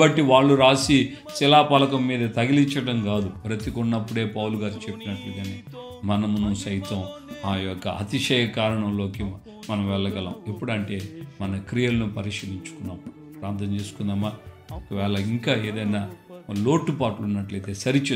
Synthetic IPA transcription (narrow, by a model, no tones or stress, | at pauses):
bɐʈːiʋaːɭːuɾaːsi | silaːpɐlɐkɐmːiːd̪ɐt̪ɐɡiliɲt͡ʃːɐʈɐmɡaːd̪upɾɐt̪ikunːɐpːuɽe̞ːpɐwluɡaːɾit͡ʃe̞pːinɐʈluɡaːniː | mɐnɐmunusɐjt̪ɐmaːjɔkːɐ̰ɐ̰t̪iʂɛːjɐkaːɾɐɳɐmlo̞ːki | mɐnɐmʋɛɭːɐɡɐlɐ̰ːmepːuɽɐɳʈe̞ːmɐnɐkɾijɐlɐnupɐɾiʂɐliɲt͡ʃu̥kunːaːm | pɾaːnt̪ɐmt͡ʃe̞ːsu̥kund̪aːmaː | ɔkɐʋɛːɭɐiŋkaːe̞ːd̪ɐjnaːlo̞ːʈːupaːʈlunːɐʈlɐjt̪e̞ːsɐɾit͡ʃeː